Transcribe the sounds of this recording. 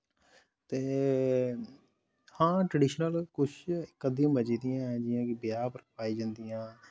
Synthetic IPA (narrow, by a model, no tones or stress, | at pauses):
t̪eː | hãːʈɾəɖiːʃnəlkʊʃʰkːəd̪iːãːbət͡ʃiːd̪ijãːɛ̃ːd͡ʒɪjãːkɪbjaːpəɾpaːiːd͡ʒãːnd̪ijãː